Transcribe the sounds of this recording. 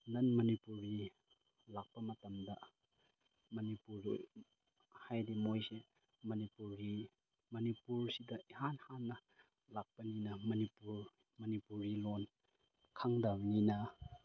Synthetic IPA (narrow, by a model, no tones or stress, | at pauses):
nɐnmɐnipuɾi | lak̚pɐmɐtɐmdɐ | mɐnipuɾ̰ | hajdimojse | mɐnipuɾi | mɐnipuɾsidɐʔiɦanhanːɐ | lak̚pɐninɐmɐnipuɾ | mɐnipuɾilon | kʰaŋdawninɐ